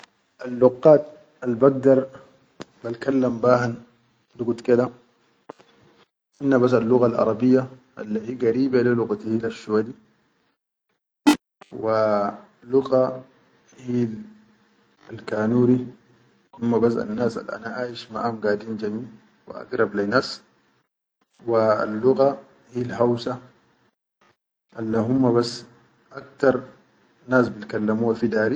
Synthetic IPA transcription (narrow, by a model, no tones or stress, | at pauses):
ʔalːuqːaːt̪̚ | albaɡ̚d̪ɑɾˤ | balkalːambaːhan | luɡut̪kid̪a | ʔinːabas̬alːuɣalʔɑ̰ɾˤɑbijːaʔa̰lːahiːɡaɾiːbaliluɣat̪ihiːlafʃuwadi | wa | luɣa | hiːl | alkaːnuːɾi | humːabas̬a̰nːaːsa̰lʔa̰naʔaːjiʃma̰ʔamɡaːdiːnd͡ʒamiː | wa̰ʔa̰ɡɾɑblajnaːs | wa̰lːuɣa | hiːlhawsa | ʔalːaɦumːabas | ʔak̚t̪ɑɾˤ | naːs̬bilkalːamuːwafid̪aːɾi